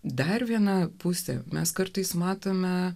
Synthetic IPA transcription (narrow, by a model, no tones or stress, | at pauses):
d̪ɐɾʋʲiɛnɐpʊsʲɛ̰mʲɛskɐɾt̪ɐɪsmɑːt̪oːmʲɛ